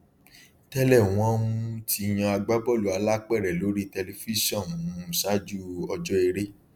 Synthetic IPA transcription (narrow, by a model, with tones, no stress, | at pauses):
tɛ˧lɛ˦˨w̃ɔ̃˦ũ˦tʰi˧j̃ɔ̃˧a˧ɡ͡ba˦bɔ˦˨lu˨˦a˧la˦k͡pɛ˦˨ɾɛ˨lo˨˦ɾi˦tɛ˧le˧fi˦ʃɔ̃˦˨n˨ũ˦ũ˨sa˦d͡ʒu˦ɔ˧d͡ʒɔ˦e˧ɾe˦